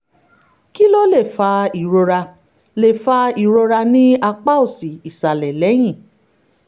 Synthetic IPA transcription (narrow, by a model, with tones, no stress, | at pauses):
ki˦lo˦le˦˨fa˧i˨ɾo˧ɾa˧ | le˨fa˧i˨ɾo˧ɾa˧nĩ˦a˧k͡pa˦o˦˨si˨i˨sa˨lɛ˨lɛ˨˦j̃ĩ˦˨